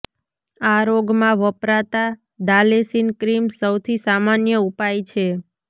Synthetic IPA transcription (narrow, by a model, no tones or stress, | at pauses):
aɾoɡmãʋəpɾat̪a | d̪alesinkɾimsəwt̪ʰisamanjəupajt͡ʃʰe